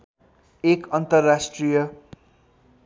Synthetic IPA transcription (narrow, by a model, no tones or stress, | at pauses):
ekʌnt̪ʌrːasʈrijʌ